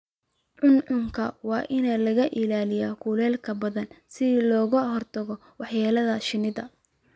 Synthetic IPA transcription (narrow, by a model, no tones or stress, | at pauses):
ʕʊnʕʊŋkʰɐwɑːʔɪnɛlɐɣɐʔɪlaːlɪjaːkʰuːlɛːlkʰɐbɐðɐnsɪlɔːɣʊɦɔrt̪ʰɐɣɔ | wɑħjaːlɐðɐʃɪnɪðɐ